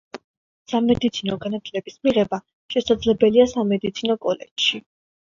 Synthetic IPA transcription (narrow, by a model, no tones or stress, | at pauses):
samɛd̪it̪sʰinɔɡanat̪ʰlɛbismiʁɛba | ʃɛsad̪zlɛbɛliasamɛd̪it̪sʰinɔkʼɔlɛ̰dʃi